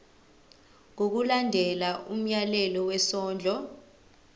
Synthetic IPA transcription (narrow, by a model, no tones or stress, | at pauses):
ŋok̬ulandʱɛlaʔum̩jalɛlɔwɛsɔːnd͡ɮʱɔ